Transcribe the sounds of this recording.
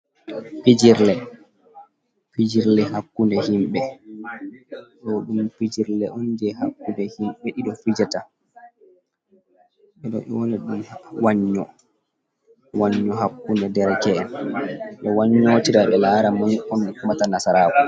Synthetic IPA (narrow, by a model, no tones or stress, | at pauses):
fid͡ʒiɾlɛ | fid͡ʒiɾlɛhakːundɛhimɓɛ | ɗɔɗumpid͡ʒiɾlɛʔɔnd͡ʒɛhakːundɛhimɓɛɗiɗɔfid͡ʒata | ɓɛɗɔ̰ʔɛ̰wɔnɛɗumhwaɲːɔ | waɲːɔɦakːundɛdɛɾkɛnɗɔwaɲːoːtiɾaɓɛlaːɾamɔɔnɛkumatanasaɾaːwɔ